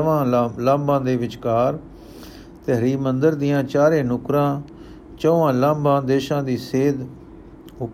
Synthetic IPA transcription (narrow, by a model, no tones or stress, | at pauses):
ʋãːlãːmbãːd̪eːʋɪt͡ʃkaːɾ | t̪ɛɦɾiːmənd̪əɾd̪ɪjãːt͡ʃaːɾẽːnʊkɾãː | t͡ʃoːʋãːlãːmbãːd̪eːʃãːd̪iːseːd̪ | ʊ